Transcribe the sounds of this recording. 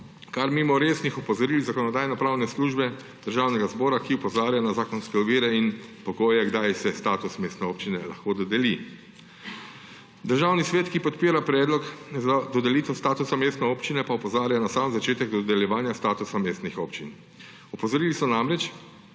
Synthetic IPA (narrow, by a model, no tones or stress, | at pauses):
kaɾmimɔɾeːsnixɔpɔzɔɾiːlizakɔnɔd̪aːjnɔpɾaːwnɛsluːʒbɛ | d̪̥əɾʒaːwnɛɡazbɔːɾakiɔpɔzaːɾjanazaːkɔnskɛɔʋiːɾɛinpɔɡoːjɛɡd̪ajsɛst̪aːt̪usmeːst̪nɛoːpt͡ʃinɛla̰xkoːd̪ɔd̪ɛli | d̪əɾʒaːwnisʋɛːt̪kipɔt̪piːɾapɾɛːd̪lɔkzad̪ɔd̪ɛliːt̪ɛst̪aːt̪usameːst̪nɛoːpt͡ʃinɛpaupɔzaːɾjanasaːmzat͡ʃeːt̪ɛɡd̪ɔd̪ɛljɛʋaːnjast̪aːt̪usameːst̪nixoːpt͡ʃin | ɔpɔzɔɾiːlisɔnamɾɛt͡ʃ